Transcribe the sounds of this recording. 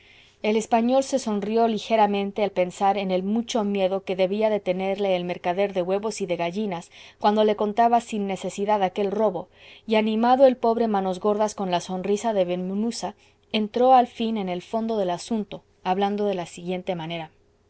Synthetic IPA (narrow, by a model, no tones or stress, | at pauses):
e̞le̞spaɲo̞lse̞so̞nrijo̞lixe̞ɾamẽnt̪e̞alpe̞nsaɾe̞ne̞lmut͡ʃo̞mje̞ðo̞ke̞ðe̞βiaðe̞t̪e̞ne̞ɾle̞ːlme̞ɾkaðe̞ɾðe̞ɣwe̞βo̞siðe̞ɣaʝinaskwand̪o̞le̞ko̞nt̪aβasinːe̞se̞siðaðake̞lro̞βo̞ | ianĩmaðo̞e̞lpo̞βɾe̞mano̞zɣo̞ɾðasko̞nlaso̞nrisaðe̞βenmunusa | ent̪ɾo̞alfine̞ne̞lfo̞nd̪o̞ðe̞lasunt̪o̞ | aβland̪o̞ðe̞lasiɣje̞nt̪e̞mãne̞ɾa